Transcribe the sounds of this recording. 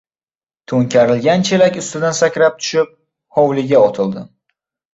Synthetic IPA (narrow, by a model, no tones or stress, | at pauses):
t̪ʰoŋkʲʰaɾɪlɡʲant͡ʃʰelakʲʊst̪ɪd̪ansakʲɾap̚t̪ʰʊ̥ʃɪp̚ | hɒwlɪɡʲaɒt̪ʰɪlˠd̪ɪ